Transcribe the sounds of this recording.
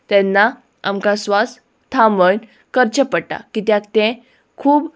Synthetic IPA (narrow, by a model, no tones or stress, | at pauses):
t̪ɛnːa | a̰mkasʋas | t̪ʰamən | kəɾt͡ɕəpəɽʈa̰kit̪jãkt̪ɛ̃ | kʰuːb